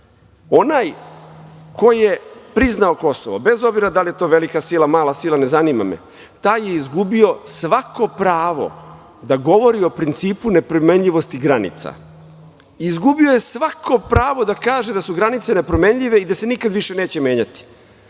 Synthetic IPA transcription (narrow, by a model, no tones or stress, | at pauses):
o̞naːj | ko̞jije̞pɾiznao̞ko̞soʋo̰be̞zo̞bziɾad̪alije̞t̪o̞ːʋe̞likasilˠamaːlˠasilˠane̞zanima̰mḛ | t̪aːje̞izɡubio̞sʋako̞pɾaːʋo̞̰ | d̪aɡo̞ʋo̞ɾio̞pɾint̪siːpune̞pɾomeɲʎiʋo̞st̪iɡɾanḭt̪sa̰ | iːzɡubioje̞sʋako̞pɾaːʋo̞d̪akaːʒe̞d̪asuɡɾanit̪se̞ne̞pɾome̞ɲʎiʋe̞id̪ase̞nikad̪ʋiʃe̞ne̞ːt͡ɕeme̞ːɲat̪i̥